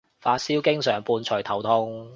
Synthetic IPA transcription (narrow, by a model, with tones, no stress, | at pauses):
faː˧t̚siː˥wkɪ˥ŋsœː˨˩ŋpuː˧nt͡ʃʰɵ˨˩jt̪ʰɐ˨˩wt̪ʰʊ˥ŋ